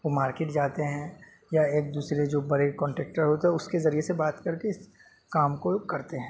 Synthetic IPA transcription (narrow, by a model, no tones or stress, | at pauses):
ʋomaːɾkeːʈ̚d͡ʒaːt̪eɦɛ̃ | jaeːk̚d̪uːsɾed͡ʒoːbɐɾekɔ̃ːɳʈɛːk̚ʈəɾɦoːt̪eɦɛʊskezɐɾiesebaːt̪kɐɾkeɪs | kaːmkokɐɾt̪eɦɛ̃ː